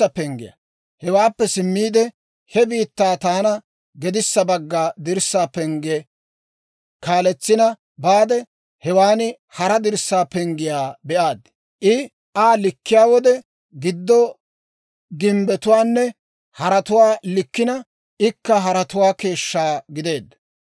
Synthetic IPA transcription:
ɐpɛŋɡɪ̰jɐ̰ | hɛwaːpːɛsɪmːiːd̪ɛ | hɛbiːt̪ːaːt̪aːnɐ | ɡɛd̪ɪsːɐbɐɡːad̪ɪɾsːaːpɛŋɡɛ | kaːlɛt͡sːɪnɐ | baːd̪ɛ | hɛwaːnɪ | hɐɾɐd̪ɪɾsːaːpɛŋɡɪjaːbɛʔaːd̪ | ʔɪ | ʔaːlɪkːɪjaːwɔd̪ɛ | ɡɪd̪ːɔ | ɡɪmbɛt̪ʊwaːnːɛ | hɐɾɐt̪ʊwaːlɪkːɪnɐ | ʔɪkːɐɦɐɾɐt̪ʊwaːke̞ːʃːaːɡɪd̪e̞ːd̪ːɐ

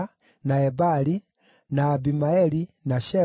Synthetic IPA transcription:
naɛbali | naːbimaɛlinaʃɛ

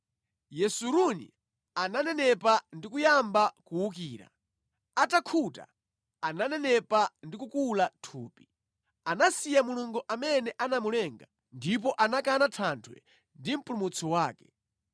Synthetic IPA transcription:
jɛsuɾunḭ | ananɛnɛpandikujambakuwuk̬iːɾa̰ | atakʰuta̰ | ananɛnɛpandikukulatʰuːpi̥ | anasijamuluŋɡuʔamɛnɛʔanamulɛːŋɡa | ndip̬ɔʔanakanatʰantʰwɛ̰ | ndim̩pulumut͡sʰɔwaːkɛ̥

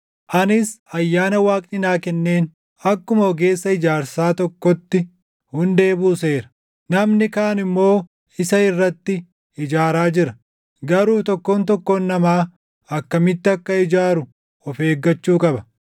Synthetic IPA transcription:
ʔɐnɪsɐjːaːnɐwaːkʼnɪnaːkɛnːe̞ːn | ɐkːʊmɐɔɡe̞ːsːɐɪd͡ʒaːɾsaːt̪ɔkːɔt̪ːɪ | hʊnd̪e̞ːbuːse̞ːɾɐ̥ | nɐmnɪkaːɐnɪmːo̞ː | ɪsɐɪrːɐt̪ːɪ | ɪd͡ʒaːɾaːd͡ʒɪɾɐ̥ | ɡɐɾuːt̪ɔkːoːnt̪̬ɔkːɔːnːɐmaː | ɐkːɐmɪt̪ːɪɐkːɐɪd͡ʒaːɾʊ | ɔfe̞ːɡːɐt͡ʃːuːkʼɐbɐ

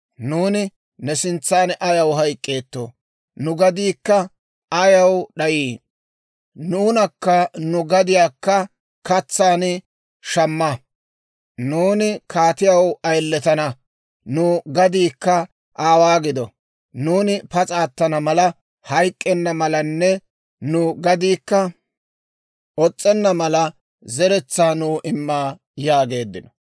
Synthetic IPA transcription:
nuːnɪ | nɛsɪnt͡sːaːnʔɐjɐwɦɐjkʼːeːt̪ːo̰ː | nʊɡɐd̪iːkːɐ | ɐjɐwɗɐjiː | nuːnɐkːɐnʊɡɐd̪ɪjaːkːɐ | kɐt͡sːaːn | ʃɐmːɐ | nuːnɪkʰaːt̪ɪjɐwɐjlːɛt̪ɐnɐ | nuːɡɐd̪iːkːɐ | ʔaːwaːɡɪd̪ɔ | nuːnɪpɐt͡sʼaːt̪ːɐnɐmɐlɐ | hɐjkʼːɛnːɐmɐlɐnːɛ | nʊɡɐd̪iːkːɐ | ɔt͡sʼːɛnːɐmɐlɐ | zɛɾɛt͡sːaːnuːʔɪmːaː | jaːɡe̞ːd̪ːɪnɔ̥

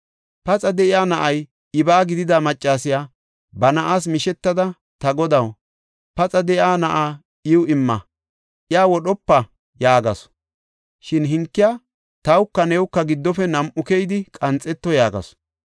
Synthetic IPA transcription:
pɐt͡sʼɐd̪ɛʔɪjaːnɐʔɐj | ɪbaːɡɪd̪ɪd̪amɐt͡ʃʼːaːsɪjaː | bɐnɐʔaːs̬mɪʃɛt̪ːɐd̪ɐ | t̪ɐɡɔd̪ɐw | pɐt͡sʼɐd̪ɛʔjaːnɐʔaː | ɪwʊɪmːɐ | ʔɪaːwɔɗɔpːɐ | jaːɡɐs | ʃɪnɦɪŋkːɪjaː | t̪ɐwʊkːɐnɛːwkːɐɡɪd̪ːɔfɛnɐmʔʊkɛjd̪ɪkʼɐnt͡sʼːɛt̪ːɔjaːɡɐ̰s

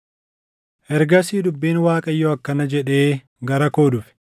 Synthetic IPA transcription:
ʔɛɾɡɐsiːd̪ʊbːiːnwaːkʼɐjːɔɐkːɐnɐd͡ʒɛᶑe̞ː | ɡɐɾɐko̞ːd̪ʊfɪ̥

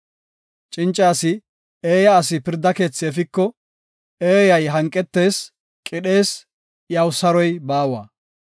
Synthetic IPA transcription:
t͡ʃʼɪnt͡ʃʼːaːsɪ | eːjɐːsɪpɪɾd̪ːɐke̞ːt͡sːɪɛfɪkːɔ | eːjɐjɦɐŋkʼːɛt̪ːe̞ːs | kʼɪɗe̞ːs | jɐwsɐɾɔjbaːwɐ̰ː

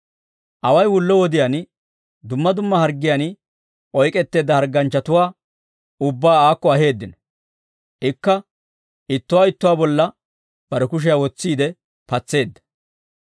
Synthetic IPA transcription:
ʔɐwɐjwʊlːɔwɔd̪ɪjan | d̪ʊmːɐd̪ʊmːɐhɐɾɡːɪjan | ʔɔjkʼɛt̪ːe̞ːd̪ːɐhɐɾɡːɐnt͡ʃːɐt̪ʊwaː | ʊbːaːaːkːɔɐɦe̞ːd̪ːɪnɔ̥ | ʔɪkːɐ | ʔɪt̪ːʊwaːɪt̪ːʊwaːbɔlːɐ | b̥ɐɾɛkʊʃ̬ɪjawɔt͡sːiːd̪ɛ | pɐt͡sːe̞ːd̪ːɐ̥

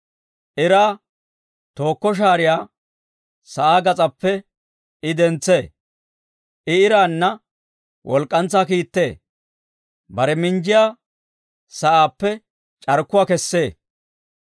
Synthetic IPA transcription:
ʔɪɾaː | t̪o̞ːkːɔʃ̬aːɾɪjaː | sɐʔaːɡɐt͡sʼɐpːɛ | ɪd̪ɛnt͡sːeː | ʔɪɪɾaːnːɐ | wʔɔlkʼːɐnt͡sːaːkiːt̪ːe̞̰ː | bɐɾɛmɪnd͡ʒɪjaː | sɐʔaːpːɛ | t͡ʃʼɐɾkːʊwaːkɛsːe̞ː

